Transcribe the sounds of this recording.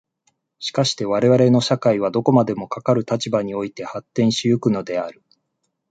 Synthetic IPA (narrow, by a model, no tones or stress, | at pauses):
ɕi̥kaɕi̥t̪e̞β̞aɾe̞βaɾe̞no̞ɕakaiβ̞ad̪o̞ko̞mad̪e̞mo̞kakaɾɯ̟t̪at͡ɕibaɲ̟io̞it̪e̞hat̪ːẽ̞ɰ̃ɕijɯ̟kɯ̟no̞d̪e̞aɾɯ̟